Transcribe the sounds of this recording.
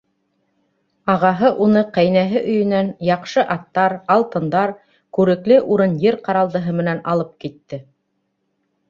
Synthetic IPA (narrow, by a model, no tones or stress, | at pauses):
ɑʁɑɦɤʔunɤqæjnæɦɘʔɵ̆jɵ̆nænjɑqʃɤʔɑt̪ːɑɾɑlˠt̪ɤ̆nd̪ɑɾ | kʉɾɘ̆klɘʔuɾɤnjɘɾqɑɾɑlˠd̪ɤ̆ɦɤmɘ̆nænɑlˠɤp̚kit̪ːɘ